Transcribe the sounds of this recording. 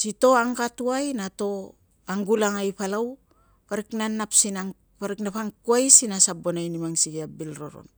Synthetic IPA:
sito̞aŋkatuajnato̞ | aŋɡulaŋajpalaw | paɾiknanapsinaŋ | paɾiknapaŋkuajsinasabonajnimaŋsiɡiabilɾo̞̰ɾo̰n

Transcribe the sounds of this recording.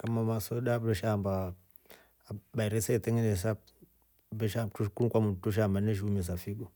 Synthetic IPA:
kamamasodabɾeʃamba | baiɾesetiŋines̬ap | beʃatukunkʷamutuʃ̬ambaneʃ̬umis̬afiɡu

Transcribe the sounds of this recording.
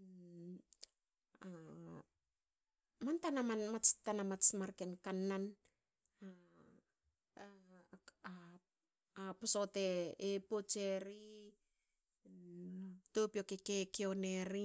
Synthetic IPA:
mantanamanmat͡ʃtanamat͡ʃmaɾkenkanːan | a | a | aposoteːpot͡ʃeɾi | topiokekekeoneɾi

